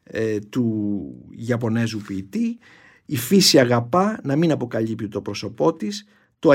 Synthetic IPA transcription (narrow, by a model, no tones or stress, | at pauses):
t̪u | ʝɐpo̞ne̞zupiːt̪i | ifisiɐɣɐpɐnɐminɐpo̞kɐʎipt̪it̪o̞pɾo̞so̞po̞t̪is | t̪oɐ